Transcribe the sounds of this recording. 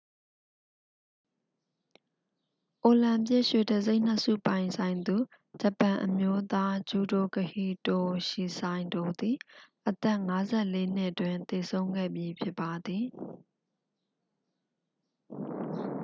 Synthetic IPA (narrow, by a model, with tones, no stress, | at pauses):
ʔo˨lã˨mpjɪ˦ʔʃwe˨də˨ze˦ɪʔn̥ə˦sṵ˦˨pã˨ɪ̃nsʰã˨ɪ̃nd̪u˨ | d͡ʑə˨pã˨ʔəmjo˦t̪a˦d͡ʑu˨do˨kəhi˦˨to˨ʃi˨sʰã˨ɪ̃ndo˨d̪i˨ʔət̪ɛ˦ʔŋa˦zɛ˦ʔle˦n̥ɪ˦ʔətwɪ̃˨nt̪e˨sʰõ˦ʊ̃ŋɡɛ̰˦˨mji˦pʰjɪ˦pːa˨d̪ði˨